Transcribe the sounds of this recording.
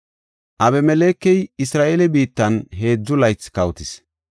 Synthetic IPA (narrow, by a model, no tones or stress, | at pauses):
ʔɐbɛmɛleːkːɛjɪsɾaːʔeːlɛbiːt̪ːɐnɦe̞ːd͡zːʊlɐjt͡skɐwt̪ɪs